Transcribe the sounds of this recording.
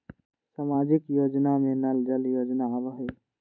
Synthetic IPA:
samaːd͡ʒɪkjoːd͡ʒnamẽnəld͡ʒəljoːd͡ʒnaʋəɦe

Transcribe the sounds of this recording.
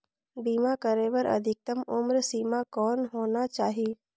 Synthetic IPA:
biːmakəɾeːʋəɾɐ̰d̪ʱɪk̚t̪əmʊmɾsiːmakɔːnɦoːnat͡ʃaːɦie

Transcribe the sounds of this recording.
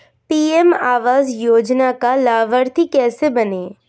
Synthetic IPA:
piːɛmaːʋaːzjoːd͡ʒnakalaːʋəɾt̪ʰikɛːsebɐneː

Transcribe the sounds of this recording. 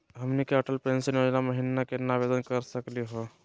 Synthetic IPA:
ɦəmnikeəʈəlpensənjod͡ʒnaməɦinːakenabed̪ənkəɾsəkliɦo

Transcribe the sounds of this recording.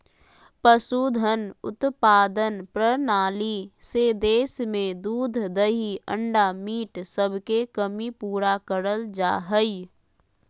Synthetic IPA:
pəsuːd̪ʱənʊ̰t̪paːd̪ənpɾənaːlised̪eːsmẽd̪uːd̪ʱd̪əɦiə̃ɳɖamiːʈsəbʱkekəmipuːɾakəɾəld͡ʒa̰ːɦəi

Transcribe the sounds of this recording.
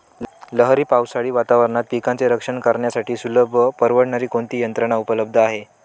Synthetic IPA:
ləɦɾiːpawsaɽiːʋat̪aʋəɾɳat̪̚pikãnt͡seɾəkʂəɳkəɾɳjasaʈʰiːsuləbʱəpəɾʋəɽɳaɾiːkoɳt̪iːjənt̪ɾəɳ̃aupələb̚d̪ʱəaɦe

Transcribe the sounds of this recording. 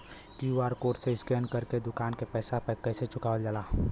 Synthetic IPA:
kiuʋaːɾkoːʈseɪskɛːnkəɾked̪ʊkaːnkepɛːsapkɛːset͡ʃʊkaːʋəld͡ʒaːlaː

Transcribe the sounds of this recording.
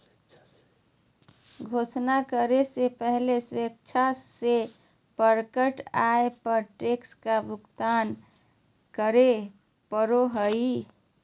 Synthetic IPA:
ɡʱoːsnakəɾesepəɦlesek̚t͡ʃʰase | pəɾkəʈaepəɾʈekskabʊkt̪an | kəɾe | pəɾoɦəi

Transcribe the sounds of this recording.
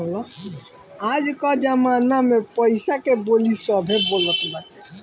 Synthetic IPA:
olɔ | ad͡ʒkɔd͡ʒəmanamepəjsakebolisɔbʱebolət̪ʰbaʈi̥

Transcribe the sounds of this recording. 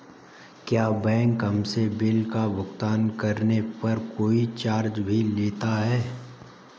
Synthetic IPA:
kjaːbɛ̃ːŋkɦɐmsebɪlkabʊkt̪aːnkɐɾnepɐɾkoːit͡ʃaːɾd͡ʒbʱileːt̪aɦɛː

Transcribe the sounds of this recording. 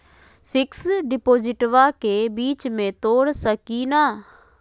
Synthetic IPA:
pʰɪksɖɪpoːd͡ʒɪʈʋaːkeːbiːt͡ʃmẽt̪oːɽsəkiːnaː

